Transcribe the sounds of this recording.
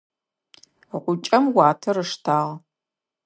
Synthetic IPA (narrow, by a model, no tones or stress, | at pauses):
ʁʷʊt͡ʃʼɐmwɑːtʰɐɾɨʂtʰaːʁ